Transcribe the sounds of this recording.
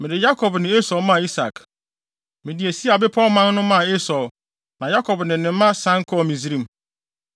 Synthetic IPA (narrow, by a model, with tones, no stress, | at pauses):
mɪ̃˨dɪ˨ja˦kʰɔ˨bnɪ̃˨e˦sɔ˨mã˦˨i˦sa˨k | mɪ̃˨dɪ˨e˨si˦a˨bɪ˦pʰɔ˦mã˦n˦nʊ̃˦mã˦˨e˦sɔ˨ | nã˨ja˦kʰɔ˨bnɪ̃˨nɪ̃˨˦mã˦sã˦ŋ̩˦kʰɔ˦˨mĩ˨zi˦ɾĩ˦m˦